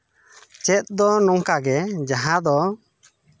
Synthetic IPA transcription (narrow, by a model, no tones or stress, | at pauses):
t͡ʃɛt̪̚ˀd̪ɔnɔŋkaɡɛd͡ʒaɦãd̪ɔ